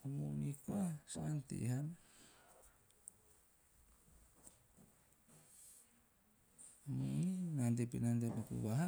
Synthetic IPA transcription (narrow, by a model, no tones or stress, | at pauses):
amunikuasant̪ḭɦan | amuninandepinandepakṵβaɦa